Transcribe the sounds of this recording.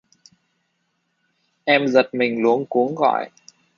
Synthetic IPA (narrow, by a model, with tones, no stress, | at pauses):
ʔɛ˧mzə˨˩t̚mï˨˩ŋ̟lu˨˦ənku˨˦ənɣɔ̰˧˨j